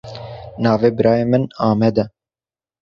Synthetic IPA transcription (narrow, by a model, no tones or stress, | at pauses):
nɑːveːbɨɾɑːjeːmɨnɑːmɛd̪ɛ